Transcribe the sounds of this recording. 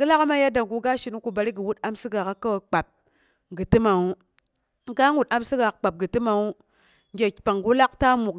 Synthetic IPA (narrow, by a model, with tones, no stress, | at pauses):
ɡɨ˦la˦ka˦ma˦ja˦da˨ɡu˨ɡa˦ʃi˨nu˦ku˨ba˨ɾi˦ɡi˨wu˦ta˦msi˦ɡa˨ka˦ka˦˨k͡pa˨p̚ | ɡɨ˨ti˦ma˨u˦ | ɡa˦ŋwu˨ta˦msi˦ɡa˨ka˨k͡pa˨p̚ɡɨ˨ti˦ma˨u˦ | ŋʲ˦e˨pa˨ŋɡu˦la˦kta˦mu˨k